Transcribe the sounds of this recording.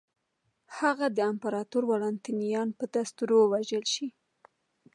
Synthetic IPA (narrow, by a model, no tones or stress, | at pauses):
haɣad̪əampaɾɑt̪uɾwɑlɑnt̪inijɑnpəd̪ast̪uɾowaʒəlʃi